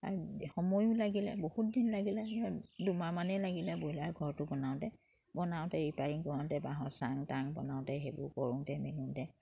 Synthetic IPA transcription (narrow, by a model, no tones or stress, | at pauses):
a̰ɹuxɔmɔjʊlaɡilɛ̰bohut̚dinlaɡilɛdumamanɛlaɡilɛbojlaɹɡʱɔɹtʊbɔnaʊ̃tɛ | bɔnaʊ̃tɛɹipaɹiŋkɔɹɔ̃ntɛbaɦɔsaŋtaŋbɔ̰naʊtɛɦebʊ̰kɔɹʊ̃ŋtɛmɛnutɛ